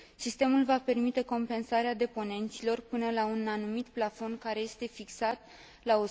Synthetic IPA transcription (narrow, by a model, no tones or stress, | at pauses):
sist̪e̞mulvape̞rmit̪e̞ko̞mpe̞nsaɾead̪e̞po̞ne̞nt̪silo̞rpɨnəlaunanumit̪plafo̞nkaɾe̞je̞st̪e̞fiksat̪ | lao